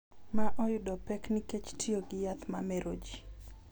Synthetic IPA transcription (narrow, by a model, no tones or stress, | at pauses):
maʔɔjʊdɔpɛkniket͡ʃtʰioɡɪjat̪mamɛɾod͡ʒi